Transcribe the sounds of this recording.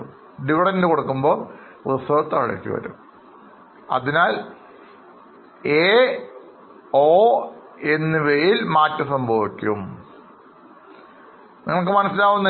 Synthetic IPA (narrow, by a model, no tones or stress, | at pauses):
m | ɖiʋiɽɐndɨko̞ɽukːumbo̞ː | ʋɨsɐɐt̪ːɐɐɻɐ̰kʲːḭʋɐ̰ɾṵm | ɐ̰ðinaːl | e | oːe̞nːɨʋejilmaːtːɨsɐmbʱɐʋikʲːum | niŋːɐɭkɨmɐnɐsilaːʋunːɐ